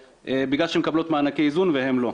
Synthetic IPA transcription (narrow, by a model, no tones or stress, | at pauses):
ʔebiɡlalʃeemkablo̞t̪maːnakeizunveɦemlo̞